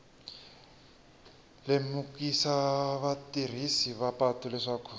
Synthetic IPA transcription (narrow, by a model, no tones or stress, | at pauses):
lemukisaβatir̤isiβapatulɛʂakʰu